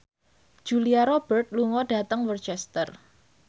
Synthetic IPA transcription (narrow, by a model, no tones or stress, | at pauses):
d͡ʒ̥uliaɾob̥ərt̪̚luŋɔɖä̤t̪əŋwərt͡ʃɛst̪ər